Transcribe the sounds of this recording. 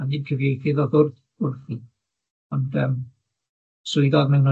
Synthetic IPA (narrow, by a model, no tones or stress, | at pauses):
aniːd̚kʰəvejθɪðɔðʊrð | ʊrθi | ɔndəm | sʊɨðɔðmɛwnɔ